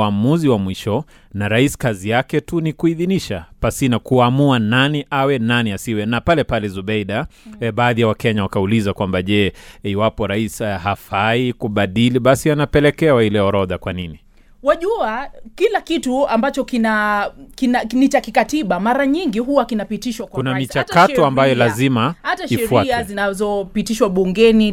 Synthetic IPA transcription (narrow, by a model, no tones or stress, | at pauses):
amuziwamwiʃɔ | naɾaisi̥kazijakɛtunikuiðiniʃapasinakuamuananiʔawɛnaniasiwɛnapalɛpalɛzuɓɛiɗaɓaːðijawakɛɲawakaulizakwambaʄɛiwapɔɾaisɦafaikuɓaɗiliɓasianapɛlɛkɛwahilɛɔɾɔðakwanini | waʄuakilakituambat͡ʃɔkinakinanit͡ʃakikatiɓamaɾaɲiŋɡiɦuwakinapitiʃwakkunamit͡ʃatkatɔambajɔlazimahataʃiɛfuaazinazɔpitiʃwaɓuŋɡɛni